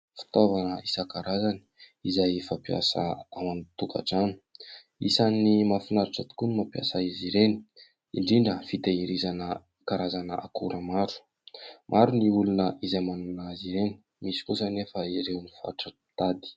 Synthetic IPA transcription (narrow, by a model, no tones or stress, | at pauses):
fi̥t̪ovanəisakaɾazani̥izajfapja̰sə̰awant̪uka̰ʈ͡ʂani̥ | isanimafinaɾiʈ͡ʂət̪u̥kunimapja̰saiziɾeni | iɳɖ͡ʐiɳɖ͡ʐəfit̪aiɾizanə | kaɾazanəʔakuɾəmaɾu̥ | mʔaɾuniulunəʔizajmanunaziɾeni̥ | misi̥kusənefəiɾewnifa̰ʈ͡ʂə | t̪ad̪i̥